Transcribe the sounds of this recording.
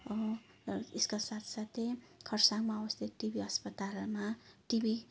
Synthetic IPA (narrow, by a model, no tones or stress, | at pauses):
ʌ | eskasat̪ʰsat̪ʰekʰʌrsaŋmaʌbʌst̪ʰit̪̚ʈibiʌspʌt̪almaʈibʱi